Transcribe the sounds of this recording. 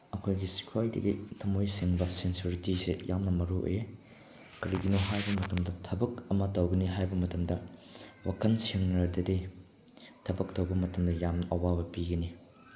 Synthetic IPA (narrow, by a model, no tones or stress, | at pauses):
ɐkʰojɡisi̥kʰuajdɐ̰ɡitʰɐmojsiŋbɐsensiuɾitisejʔamnɐmɐɾuʔo̰je | kɐɾiɡinoɦajbɐmɐtɐmdɐtʰɐbɐkɐmɐtɐwɡɐniɦajbɐmɐtɐmdɐwakɐnsiŋɐdɐdi | tʰɐbɐk̚tɐwbɐmɐtɐmdɐjamnɐʔɐwabɐpiɡɐni